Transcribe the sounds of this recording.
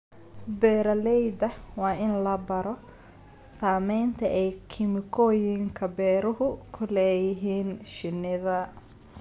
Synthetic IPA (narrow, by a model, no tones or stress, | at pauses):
bɛːɾɐlɛjd̪ɐwɑːɪnlɐbɐɾɔ | saːmɛjnt̪ʰɐʔɛjkʰɪmɪkʰɔːjɪŋkʰɐbɛːɾʊɦʊkʰʊlɛːjɪɦiːnʃɪnɪðɐ